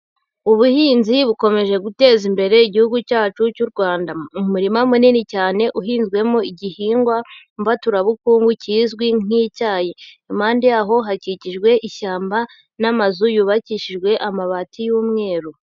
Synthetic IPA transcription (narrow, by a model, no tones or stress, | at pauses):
uβuhiːnziβuko̞me̞ʒe̞ɡute̞ːzimbe̞ɾe̞iɟihuɡucaːt͡ʃucuɾɡwaːndaumuɾimamuninicaːne̞ʔuɦiːnzɡwe̞moiɟihiːŋɡwa | mvatuɾaβukuːŋɡuciːzɡwiŋ̥icaːji | maːndijaɦo̞ɦaciciʒɡwe̞ʔiʃaːmba | namazujuːβaciʃiʒɡwe̞ʔamaβatʰijuːmŋe̞ːɾu